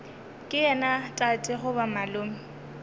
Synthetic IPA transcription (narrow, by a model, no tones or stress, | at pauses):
kʼɪɛnatʼatʼɪχʊbamalʊːmɪ